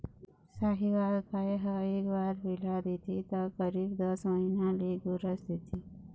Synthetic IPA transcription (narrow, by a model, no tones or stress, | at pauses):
saɦiʋaɽkʰaeɦəekbaɾbilad̪et̪it̪əkəɾiːbd̪əsməɦinãliɡuɾəsd̪et̪ʰi